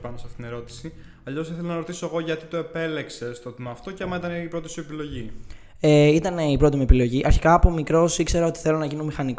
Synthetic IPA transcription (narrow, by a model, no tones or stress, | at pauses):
pɐnosɐfit̪neɾo̞t̪i̥si | ɐʎo̞siθelenɐɾo̞t̪isoeɣo̞ʝɐt̪it̪o̞e̞pe̞le̞kse̞st̪o̞t̪imɐːft̪o̞ceɐmɐit̪ɐneipɾot̪isuepilo̞ʝi | eit̪ɐneipɾo̞t̪imiepilo̞ʝiʔɐɾçi̥kɐːpo̞mikɾo̞sikse̞ɾɐo̞t̪i̥θe̞lonɐʝinumixɐnik